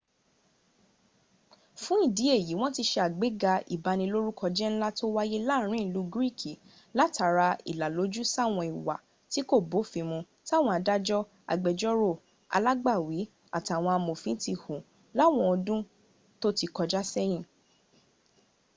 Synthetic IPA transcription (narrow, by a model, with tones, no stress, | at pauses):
fũ˦i˦˨di˨˦e˦˨ji˨˦w̃ɔ̃˦ti˧ʃe˧a˨ɡ͡be˨˦ɡa˧ḭ˨ba˧nĩ˧lo˦ɾu˦kʰɔ˧d͡ʒɛ˦n̩˦la˦to˦wa˦je˦la˦ɾ̃ĩ˦˨˦lu˨˦ɡɾi˦˨kʰi˨ | la˨˦ta˨˧ɾa˧ḭ˨la˨lo˨˦d͡ʒu˦sa˦˨w̃ɔ̃˧i˨wa̰˨ | ti˨˦ko˦˨bo˨˦˨fĩ˧mũ˧ | ta˦˨w̃ɔ̃˧a˧da˦d͡ʒɔ˦ | a̰˧˨ɡ͡bɛ˨d͡ʒɔ˦ɾo˦˨ | a̰˧la˦ɡ͡ba˦˨wi˨˦ | a̰˦˨ta˨w̃ɔ̃˧a˧mo˨fĩ˨˦ti˧hũ˨ | la˦˨w̃ɔ̃˧ɔ˧dũ˦ | to˦ti˧kɔ˧d͡ʒa˦sɛ˦j̃ĩ˦˨